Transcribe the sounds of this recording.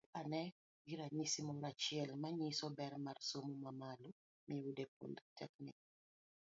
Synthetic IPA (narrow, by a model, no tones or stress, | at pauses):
anɛ | ɡiɾaɲisimɔɾat͡ʃɪɛlmaɲisɔbɛɾmarsomumamalɔ | miwudepːo̰ndtɛkni